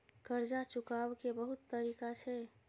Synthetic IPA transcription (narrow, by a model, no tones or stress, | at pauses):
kəɾd͡ʒat͡ʃʊkabkebəɦut̪ːəɾiːkat͡ʃʰɛ